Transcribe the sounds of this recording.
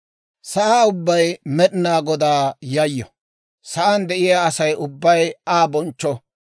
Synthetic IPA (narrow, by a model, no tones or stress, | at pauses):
sɐʔaːʊbːɐjmɛɗɪnaːɡɔd̪aːjɐjːɔ | sɐʔɐnd̪ɛʔɪjaːɐsɐjʊbːɐjaːbɔnt͡ʃːɔ